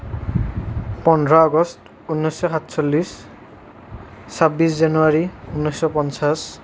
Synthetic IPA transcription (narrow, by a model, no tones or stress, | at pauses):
pɔndʱɹaɔɡɔst | unːɔjsɔxatsɔlːis | sabːis̬zanuaɹiunːɔsɔpɔnsas